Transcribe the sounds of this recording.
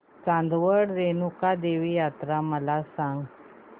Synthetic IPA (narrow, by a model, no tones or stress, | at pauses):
t͡sãnd̪ʋəɽɾenukad̪eʋijat̪ɾaməlasãŋɡ